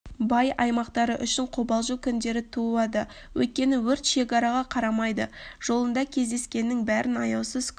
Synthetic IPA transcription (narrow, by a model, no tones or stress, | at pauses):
bɑjɑjmɑqt̪ɑɾəʔʏʃɪɴqʰobɑlˠʒukʲʰʏnd̪e̞ɾɪt̪ʰuɑd̪ə | wɵ̰jt̪̚kʲe̞nɪwɵɾt̪ʃe̞kɑɾɑʁɑqʰɑɾɑmɑjd̪əʒ̥o̞lˠənd̪ɑkʲʰe̞zd̪e̞skʲe̞nːɪŋbæɾɪnɑjɑwsəz̥kʲ